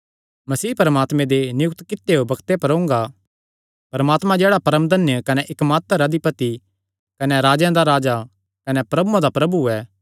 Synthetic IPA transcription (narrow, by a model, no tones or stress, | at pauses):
mɐsiːpɐɾəmaːt̪mẽd̪enɪjʊk̚t̪kɪt̪ːeobɐkt̪epɐɾõʊ̃ŋɡa | pɐɾɐmaːt̪mãd͡ʒeːɽapɐɾəmd̪ʱɐnjəkɐneʔɪkmaːt̪ɾɐd̪ipɐt̪i | kɐnɛɾaːd͡ʒjãd̪aɾaːd͡ʒa | kɐnɛpɾɐbuãd̪apɾɐbuɛː